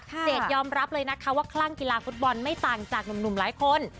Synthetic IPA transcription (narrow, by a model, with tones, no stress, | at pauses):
t͡ɕeː˨˩t̪̚jɔː˧mɾa˦˥p̚lɤː˧jna˦˥kʰa˦˥waː˥˩kʰlaː˥˩ŋki˧laː˧fu˦˥t̪̚bɔ˧nma˥˩jt̪aː˨˩ŋt͡ɕaː˨˩k̚nu˨˩mnu˨˩mlaː˩˦jkʰo˧n